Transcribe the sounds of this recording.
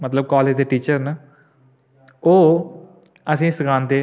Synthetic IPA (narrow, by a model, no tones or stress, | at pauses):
mət̪ləb̚kɔːleːd͡ʒd̪eːʈiːt͡ʃəɾnə | oː | əsĩːsəkʰãːnd̪eː